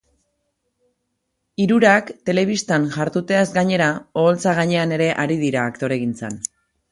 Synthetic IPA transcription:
iɾuɾakt̪e̞le̞β̞ist̪anʝaɾt̪ut̪e̞azɡaɲe̞ɾao̞ːlt͡saɣ̞aɲe̞ane̞ɾe̞ʔaɾiðiɾaːkt̪o̞ɾe̞ɣ̞int͡sa̰n

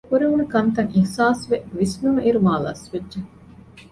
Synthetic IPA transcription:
kuɾeunekɐnt̪ɐŋihsaːsʋeʋismumiɾumaːla̰ːsʋedːʒe

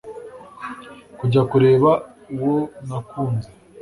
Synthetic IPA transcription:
kuɟakuɾe̞ːβa | uwonakuːnze

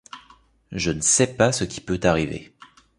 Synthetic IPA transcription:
ʒənəsɛpasəkʲi̥pøt̪aʁivḛ

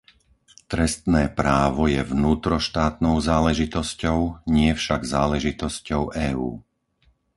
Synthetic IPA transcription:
t̪ɾɛst̪nɛːpɾaːʋɔjɛvnuːt̪ɾɔʃt̪aːt̪nɔʊzaːlɛʒit̪ɔscɔʊɲɪɛfʃaɡzaːlɛʒit̪ɔscɔʊʔɛːṵː

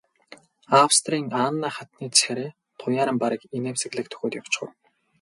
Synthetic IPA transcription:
awst̪riːŋaːnːaːχat̪niːt͡sʰæɾeː | t̪ʰʊjaːɾə̆mpaɾʲə̆kineːmsĕɣɮɘ̆k̚t̪ʰɵ̥xʲoːt̪jaw̥t͡ɕɢʊ̰̆w

